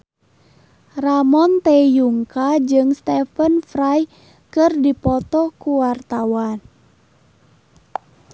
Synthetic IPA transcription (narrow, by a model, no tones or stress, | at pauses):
ramɔnt̪ɛjuŋkad͡ʒɨŋst̪ɛfənfɾaj | kɨrdipɔt̪ɔkuwart̪awan